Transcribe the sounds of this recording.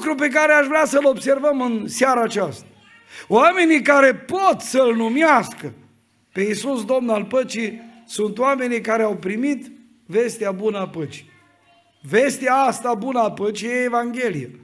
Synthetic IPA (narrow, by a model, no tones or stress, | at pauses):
kɾup̬e̞k̬aɾeaʃvɾeasəlo̞bse̞rvəmɨnseaɾaːt͡ʃast̪ḁ | oame̞nikaɾe̞pot̪səlnumiaskə | pe̞isusd̪o̞mnalpət͡ʃi | sunt̪owame̞nikaɾeawpɾimit̪ | ve̞st̪eabunəapət͡ʃi̥ | ve̞st̪eaast̪abunəapət͡ʃjeevaŋɡʲe̞lije